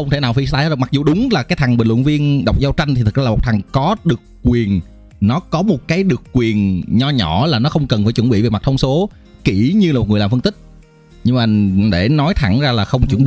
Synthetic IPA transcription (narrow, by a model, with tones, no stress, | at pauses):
ə˧wŋ͡mt̪ʰe˧˩naː˨˩wfi˧s̬t̪aː˧jhaː˨˦zma˨˩k̚zu˨˩ɗʊ˨˦ŋ͡mlaː˨˩kaː˨˦jt̪ʰa˨˩ŋɓï̟˨˩lw̰ʊ̰˧˨nvi˧ənɗa˨˩wk͡p̚zaː˨˧w̚t͡ɕa˧jŋ̟t̪i˨˩t̪ʰɨ˨˩k̚zaː˧˨˩o˨˩k͡p̚t̪ʰa˨˩ŋkɔ˨˦ɗɨ˨˩əkːwi˨˩ənː | ɔ˨˦kɔ˨˦mo˨˩t̚kaː˨˦jɗɨ˨˩əkːwi˨˩ənɲɔ˧ɲɔ˧˩laː˨˩nɔ˨˦xə˧wŋ͡mkə˨˩nfaː˧˩jt͡ɕwə˧˩nɓḭ˧˨ve˨˩ma˨˩t̚t̪ʰə˧ŋ͡mso˨˦ | ki˧˩ɲɨ˧laː˨˩o˨˩t̚ŋ˨˩laː˨˩fə˧nt̪ï˦˥k̟̚ | ɲɨ˧maː˨˩ɗe˧˩nɔ˨˦jt̪ʰa˧˩ŋzaː˧laː˨˩xə˧wŋ͡mt͡ɕwə˧˩nɓi˧˨